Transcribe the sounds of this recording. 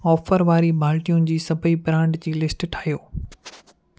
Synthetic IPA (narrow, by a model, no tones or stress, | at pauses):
ɔːfəɾʋaːɾibʱaːlʈijũnɪ̆d͡ʑiːsɐbʱibɾãːɳɖd͡ʑiːlɪsʈʈʰaːijoː